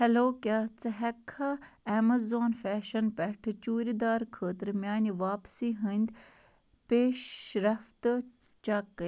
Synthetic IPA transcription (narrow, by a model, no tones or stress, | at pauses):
hɛloːkʲaːt͡sɨɦɛkʰːaɛmɐzoːnfɛːʃɐnpɛʈʰɨt͡ʃuːɾid̪aːɾkʰəːt̪əɾmjaːniʋaːpsiːɦənd̪ | peːʃɾɐft̪ | t͡ʃɐkː